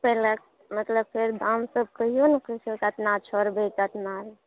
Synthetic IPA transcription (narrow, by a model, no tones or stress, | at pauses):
pɛlək | mət̪ləb̚pʰeɾd̪amsəb̚kəɦijonəkəsʰokət̪nat͡ʃʰɔɾbekət̪naɾ